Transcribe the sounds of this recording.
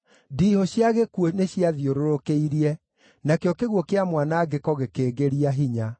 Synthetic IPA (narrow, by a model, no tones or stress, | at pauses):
diːhɔɕjaɣekuɔneɕiaðioɾoɾokeiɾiɛ | nakeɔkeɣwɔkeamwanaːɡekɔɣekeːɡeɾiaɦiɲa